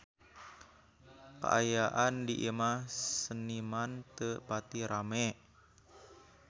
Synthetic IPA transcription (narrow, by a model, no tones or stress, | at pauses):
kə̰ʔa̰jaʔandiʔimahsənimant̪əpat̪iɾamɛ